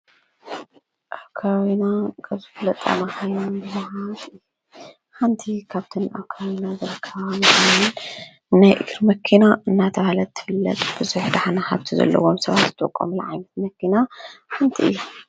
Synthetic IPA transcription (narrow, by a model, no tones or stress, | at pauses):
ʔakʰːawinakʰɐβzɨfɨlɐt̪ʼa̰maxajonbɨzahatɨj | ħant̪ʰikʰaβt̪ʰɨnʔa̰βkʰawinazɨɾɨkʰːɐβamkann | najʔɨɡɾmɐkʰinaɨnːat̪ʰɐβalɐt̪ʰːɨ̥fɨlːɐ̰t̪ʼb̥ɨzuħd̪aħanahaβt̪ʰizɐ̰lːɐ̰womsɐβat̪zɨ̥t̪ʰʼokʼːo̰mul̰ʕa̰jnɐt̪̚mɐkʰinaħant̪ʰiɨ̰jːu